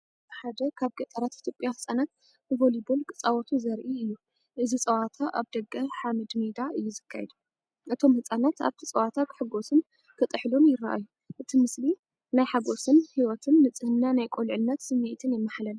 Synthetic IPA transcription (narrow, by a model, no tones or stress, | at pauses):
tħad̪ɐkʰaβɡɐt̪ʼɐɾat̪it̪ʰjo̞pʼjahɨt͡sʼanat̪̚ | ɨvolibolkʼɨt͡sʼawɐt̪ʰuzɐɾʔiɨjːu | ʔɨzit͡sʼɐwat̪ʰaʔaβd̪ɐɡɐħamɨd̪mid̪aʔɨjːuzɨkʰːajɛd̪ | ʔɨt̪ʰo̞mhɨt͡sʼanat̪a̰βt̪ʰit͡sʼɐwat̪ʰakʰɨħɨɡo̞sɨn | kʰɨt̪ʼɨħlomjɪɾːa̰ʔa̰jːu | ʔɨt̪ʰimɨsli | najħaɡo̞sɨnhiwɔt̪ʰɨnːɨt͡sʼɨhɨnːanajkʼolʕɨnːɐt̪sɨmet̪ʰɨnjɛmːaħlɐl